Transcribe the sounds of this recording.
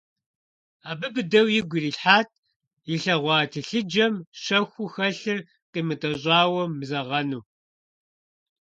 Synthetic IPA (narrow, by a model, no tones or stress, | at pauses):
aːbɨbɨdɐwjɪɡʷiriːɬħaːt̚ʰʼ | jɪɬɐʁʷɑːtʰɨɬɨd͡ʒɐmʃɐxʷʊxɐɬɨr | qiːmɨtʼɐɕʼɑːwɐmːzɐʁɐnuː